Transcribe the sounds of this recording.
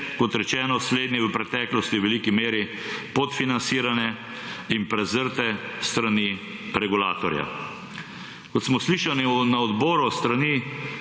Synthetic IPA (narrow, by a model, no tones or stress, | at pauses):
kɔt̪ɾɛt͡ʃɛːnɔsleːd̪nɛʋəpɾɛt̪ɛːklɔst̪iwʋɛliːkimeːɾi | pot̪finansiːɾanjɛ | impɾɛzəɾt̪ɛst̪ɾani | ɾɛɡula̰ːt̪ɔɾja̰ | kɔt̪smɔsliːʃaninaɔd̪bɔːɾust̪ɾaniː